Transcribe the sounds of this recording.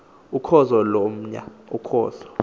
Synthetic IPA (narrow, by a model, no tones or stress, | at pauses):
ukʰɔzɔlom̩ɲa̰ukʰɔ̰ːzɔ